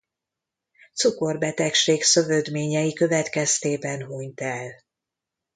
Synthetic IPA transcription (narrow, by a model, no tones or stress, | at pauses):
t̪suko̞rbɛt̪ɛkʃeːksø̞vød̪meːɲɛjikø̞vɛt̪kɛst̪eːbɛnɦuɲt̪ɛl